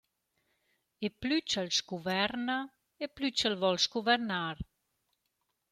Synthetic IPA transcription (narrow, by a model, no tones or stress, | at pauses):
eplyt͡ʃəlsɡuvɛrnɐ | eplyt͡ʃəlvɔlsɡuvɛɾnaːɾ